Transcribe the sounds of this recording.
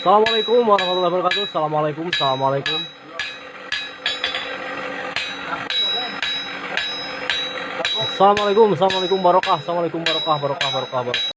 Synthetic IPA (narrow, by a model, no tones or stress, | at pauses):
salamalakʊmwaɾahmat̪ulahbəɾkat̪usalamalakʊmsalamalakʊm | salamalakʊms̬alamalekʊmbaɾokahsalamalekʊmbaɾokahbaɾokahbaɾokahbəɾ